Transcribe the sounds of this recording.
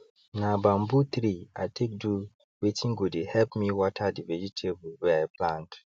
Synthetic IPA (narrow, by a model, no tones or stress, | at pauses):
nãbãm̩but̪ɾiatʰek̚du | wetʰĩŋ̩ɡudehɛlpmĩwɔtʰadɪvɛd͡ʒitʰebubɛpʰlãnt